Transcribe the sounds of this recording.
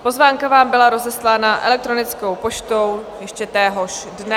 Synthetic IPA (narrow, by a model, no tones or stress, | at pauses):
po̞zvaːŋkavaːmbɪlaɾo̞zɛslaːnaʔɛ̰lɛk̚t̪ɾo̞nɪt͡sko̞wpo̞t͡ʃt̪o̞wjɛʃcɛt̪ɛːɦo̞ʃdnɛ